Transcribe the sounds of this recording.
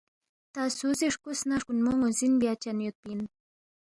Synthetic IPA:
t̪asuzeʂkusnaʂkunmoŋozinbjat͡ʃanjot̪̚pin

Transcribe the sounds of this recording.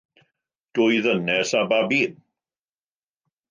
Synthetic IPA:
d̥ʊjðənɛsababiːn

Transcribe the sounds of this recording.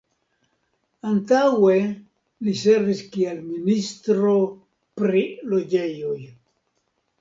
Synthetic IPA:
antawe̞ | liseviskielministɾo̞ | pɾilo̞d͡ʒe̞jo̞j

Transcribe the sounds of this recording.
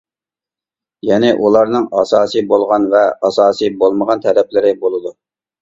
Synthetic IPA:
jɛnɪʔulˠɑɾnɨŋɑsɑːsɨjbolˠʁɑnvɛɑsɑːsijbolˠməʁɑnt̪ʰɛlɛplɪɾɪbolˠɨd̪u

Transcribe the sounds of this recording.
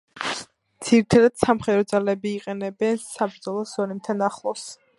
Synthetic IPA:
d̪z̥iɾit̪ʰad̪ad̪̥samχɛd̪ɾɔd̪zalɛbiːqʼɛnɛbɛnsabɾd̪zɔlˠɔsɔnɛmt̪ʰanaχlˠɔs

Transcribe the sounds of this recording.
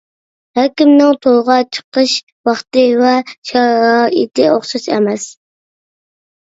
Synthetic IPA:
hɛkʲimnɪŋt̪ʰolˠʁɑt͡ʃʰə̥qʰəʃ | wɑχt̪ɨvɛʃɑɾɑʔḭt̪ɪoχʃɨt͡ʃɛ̰mɛs

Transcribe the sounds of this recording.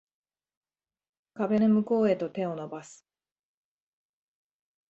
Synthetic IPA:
kabe̞nemɯ̟ko̞ːe̞t̪o̞t̪ẽ̞o̞no̞basɨ̥

